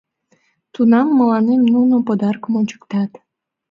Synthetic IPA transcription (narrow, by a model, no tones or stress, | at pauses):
t̪unɑmːəlɑnemnunopod̪ɑrkmonʲt͡ɕə̥kt̪ɑt̪